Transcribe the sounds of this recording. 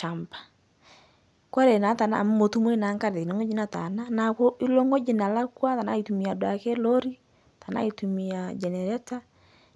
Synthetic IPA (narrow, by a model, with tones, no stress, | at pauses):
a˨mpḁ˨ | ka˦ɾe˨na˨˦ta˨na̰˦˨m˦mo˨tu˦m˦e˦na˨˦ŋka˦ɾe˨o˨ŋɡo˦d͡ʒi˦na˨ta̰˨na˦na˨ko˦ʔi˦lo˦ŋɡo˦d͡ʒi˨na˨la˦kwa˦ta˨na̰˦i˨tu˨mi˨a˨dwa˨ke˦lo˦ɾi˦ | ta˨na̰˦i˨tu˨mi˨a˨d͡ʒɛ˨nɛ˨ɾɛ˦ta˦